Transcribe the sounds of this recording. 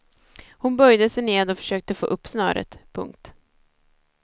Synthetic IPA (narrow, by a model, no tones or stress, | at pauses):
hʊnbœjd̪əsɛjneːd̪ɔfœ̥ʂøːk̚t̪əfo̰ːʔɵpːsnœ̰ːɾə̰t̪pʰɵ̰ŋk̚t̪